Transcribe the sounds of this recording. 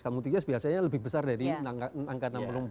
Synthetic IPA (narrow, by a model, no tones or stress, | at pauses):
kalmut̪iŋɡasb̥iasaɲaləbɪhbəsardaɾinakanaŋkanampəluŋp